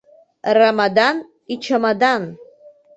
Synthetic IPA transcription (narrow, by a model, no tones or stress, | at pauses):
ramadan | it͡ʃʰamadan